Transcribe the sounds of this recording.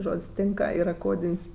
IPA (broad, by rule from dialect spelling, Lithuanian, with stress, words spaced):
ˈʒoːtʲsʲ ˈtʲɪŋkɐ ˈiːr ˈkoːdʲɪnʲsʲ